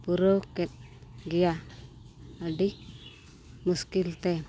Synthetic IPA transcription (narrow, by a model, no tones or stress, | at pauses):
puɾɔkɛt̪̚ɡɛja | əɖi | muskilt̪ɛ